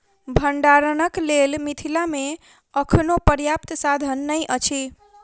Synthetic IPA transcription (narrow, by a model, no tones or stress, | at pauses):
bʱəɳɖaɾənəklelmit̪ʰilame | əkʰnopəɾjap̚t̪sad̪ʱənːəjʔət͡ʃʰi